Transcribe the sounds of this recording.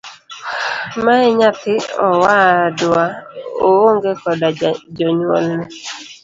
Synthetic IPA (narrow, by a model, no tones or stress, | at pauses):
maɛɲatɪɔwadʊaooŋɡekɔdad͡ʒɔɲwɔ̰lːɛ